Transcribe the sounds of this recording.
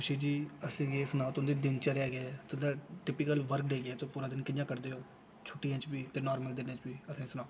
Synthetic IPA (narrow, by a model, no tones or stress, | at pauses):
kʊʃeːd͡ʒiːəsẽːɡeːsənaːt̪ʊnd̪eːd̪ɪnt͡ʃəɾɛːɡet̪ʊnd̪aːʈɪpɪkəlʋəɾkɖeːɡɛːt̪õːpuːɾãːd̪ɪnkɪd̪jãːkəɾd̪eːɦoː | t͡ʃʰʊʈijãːt͡ʃbiːt̪eːnɔːɾməld̪ɪnẽːt͡ʃbiːəsẽːsənaː